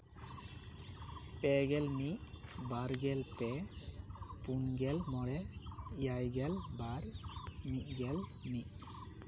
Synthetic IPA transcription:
pɛɡɛlmiʔ̚baɾɡɛlpɛ | punɡɛlmɔɽɛijajɡɛlbaɾmiʔ̚ˀɡɛlmiʔ̚

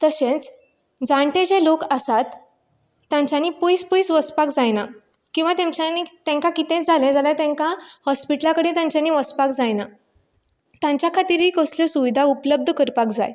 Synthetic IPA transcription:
t̪əsẽt͡s | d͡zãɳʈẽd͡ʑelokəsat̪ː | jãɲt͡ɕjanipəjspəjsʋəspakd͡zajna | kĩw̃ʋat̪ẽmt͡ɕanit̪ẽŋkãkit̪ẽt͡sd͡zʱalẽd͡zaljat̪ɛ̃ŋkãhɔspiʈlakəɽẽt̪jãɲt͡ɕjaniʋəspakd͡zajna | t̪jãɲt͡ɕjakʰat̪iːɾɦikəsljɔsuʋid̪ʱaupləb̚d̪ʱəkəɾpakd͡za̰j

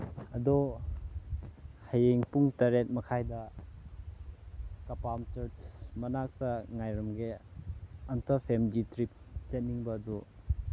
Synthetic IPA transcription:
ɐdɔ | hajeŋpuŋtɐɾet̚mɐkʰajdɐ | kɐpamt͡ʃɐɾt͡ʃmɐnak̚tɐŋajɾɐmɡe | ɐntɐpʰemditɾip̚t͡ʃet̚niŋbɐːdu

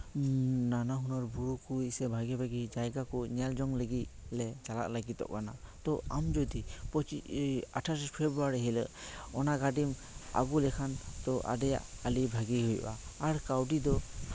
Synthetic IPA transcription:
nanaɦunɔɾbuɹukusɛbʱaɡɛbʱaɡid͡ʒajɡakɔnald͡ʒɔŋləɡitlɛt͡ʃala̰ʔlaɡit̪ɔ̰ʔkana̰t̪ɔamd͡ʒɔd̪ipɔt͡ʃia̰tʰasispʰebɾuaɾɦilə̰ʔɔnaɡadim | a̰ɡulɛkʰant̪ɔʔa̰dɛja̰ʔalibʱaɡiɦujba̰ːɾkawdid̪ɔ

